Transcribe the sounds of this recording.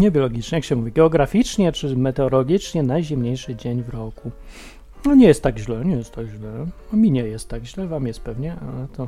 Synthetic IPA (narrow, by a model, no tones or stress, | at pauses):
ɲɛbʲjɔlɔɡʲit͡ʂɲɛjakɕɛmuvʲiɡɛɔɡɾafʲit͡ʂɲɛt͡ʂɘmɛt̪ɛɔlɔɡʲit͡ʂɲɛnajʑɛmɲejʂɘd͡ʑeɲvɾɔku | ɔɲɛjɛst̪ːaɡʑlɛɲɛjɛst̪aɡʑlɛɔmʲiɲɛjɛst̪ːaɡʑlɛvamjɛst̪̚pɛvɲɛalɛt̪ɔ